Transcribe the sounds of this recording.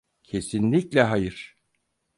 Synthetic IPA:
cʰe̞sinlʲiclʲɛɦajɯɾ̥

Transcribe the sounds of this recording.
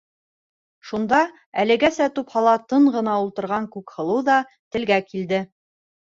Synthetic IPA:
ʃund̪ɑ | ælɘ̆ɡæsæt̪uphɑlˠɑt̪ɤɴɢɤ̆nɑulˠt̪ɤ̆ɾʁɑŋkʉkhɤ̆lˠɤðɑ | t̪ɘ̆lɡækild̪ɘ

